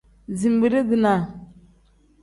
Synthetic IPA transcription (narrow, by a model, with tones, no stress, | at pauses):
zi˨m˨bi˨ɾi˦ɡi˨na˨